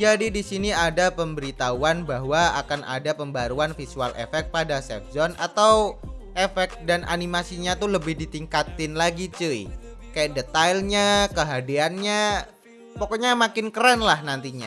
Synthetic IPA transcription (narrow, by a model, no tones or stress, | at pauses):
d͡ʒadidisiniadapəmbəɾit̪auanbaɦwaa̰kanʔa̰dapəmbaɾuanfisualʔḛfɛk̚t̪̚padasɛfzɔnʔa̰t̪awʔefɛk̪̚danʔa̰nimasiɲat̪uləbɪhdit̪iŋkat̪ɪnlaɡit͡ʃəɪkajaʔdet̪ajlɲakəɦadianɲa | pɔkɔɲamakɪnkəɾanlahnant̪iɲa̰